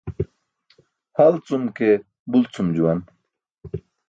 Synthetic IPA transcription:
hɐlt͡sumke | bult͡sumd͡ʑuwɐn

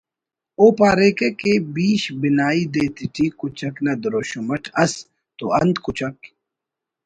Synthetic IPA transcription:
oːpaːɾeːkekebiːɕbinaːid̪eːt̪iʈʰiːkut͡ʃɐknɐd̪ɾoːɕumɐʈʰɐs | t̪oɐnd̪kut͡ʃɐk

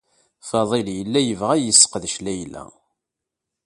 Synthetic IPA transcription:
fɑðˤɪljəlːæjəvʁæjəsːə̥qəðʃlæjlæ̰

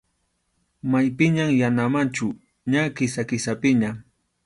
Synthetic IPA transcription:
majpɪɲaŋjanamant͡ʃʊ | ɲakɪsakɪsapɪɲaŋ

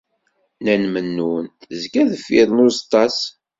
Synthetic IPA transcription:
nænmənːunzkæðəfːiɾˤnʊst̪ˤɑs

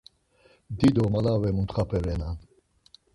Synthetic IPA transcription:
d̪id̪ɔmalavɛmunt̪χapʰɛɾɛna

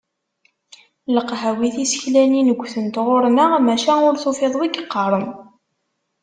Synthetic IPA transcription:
ləqːɦæwiθisə̥çlæninəɡʷːθənt̪ʁʊɾnəʁmæʃænʊɾθofeðˤwiɡqːɑɾˤəm

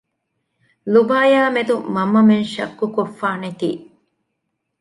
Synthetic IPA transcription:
lubaːjaːmed̪umɐmːɐmenʃɐ̰kːukofːaːnet̪ḭː

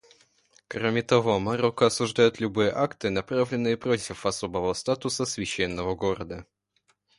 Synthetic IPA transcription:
kɾomʲɪt̪ɐvo̞mɐɾokəɐsʊʐd̪ajʊt̪lʲʊbɨjəʔakt̪ɨnɐpɾavlʲɪnːɨjəpɾotʲɪfɐso̞bəvəst̪at̪ʊsəsvʲɪɕːenːəvəɡoɾəd̪ə

